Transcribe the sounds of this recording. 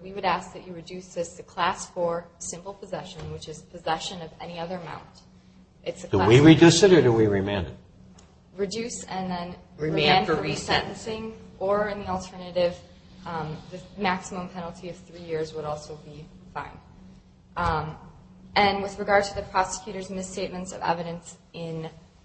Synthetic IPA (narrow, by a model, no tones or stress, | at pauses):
wiwɨɾæsk̚ðɨt͡ʃɨɹɨdʉsðɪsɨkʰl̥æsfə˞sɪ̃mpl̩ˠpʰɨzɛʃɨ̃nwɨt͡ʃɨzpʰɨzɛʃɨ̃nʌvɛ̰niʌðə˞əmã̰ʊ̃nt | ʔɨtsɨd̥əwiɹidɨsɪɾə˞ɾɨwiɹimæ̃nɨ̰d̚ | ɹɨdʉsɨ̃nðɨ̃nɹĩnəɹiisɛ̰̃nʔn̩sɪ̃ŋʔə˞ɨ̃nðil̩ˠtʰɜ˞nɨɾɪv | ðɨmæksəmə̃mpʰɛnl̩ˠtʰiʌv̥θɹijɪɹzwəɾɔlˠsoʊbi | fã̰ɪ̃nd̥ | ʔɨ̃nwɨðɹɨɡɑɹd̚tʰɨðɨpʰɹ̥ɑsɨ̥kʰj̥ʉɾə˞zmɨsteɪt̚mɨ̃ntsʌ̰vɛ̰vɨɾɨ̃ns | ɪ̃n